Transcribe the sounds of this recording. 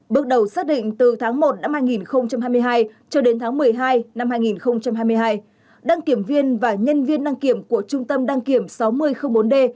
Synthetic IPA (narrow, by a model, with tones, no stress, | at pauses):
ɓɨ˨˩ək̚ɗə˨˩wsaː˦˥k̚ɗḭ˧˨ŋ̟t̪ɨ˨˩t̪ʰaː˨˦ŋmo˨˩t̚na˧mhaː˧jŋi˨˩nxə˧wŋ͡mt͡ɕa˧mhaː˧jmɨ˧əjɦaː˧jt͡ɕɔ˧ɗe˨˦nt̪ʰaː˨˦ŋmɨ˨˩əjɦaː˧jna˧mhaː˧jŋi˨˩nxə˧wŋ͡mt͡ɕa˧mhɦaː˧jmɨ˧əjɦaː˧j | ɗa˧ŋki˧˩əmvi˧ənvaː˨˩ɲə˧nvi˧ənɗa˧ŋki˧˩əmku˧˩ət͡ɕʊ˧ŋ͡mt̪ə˧mɗa˧ŋki˧˩əmsa˨˦wmɨ˧əjxə˧wŋ͡mɓo˨˦nɗe˧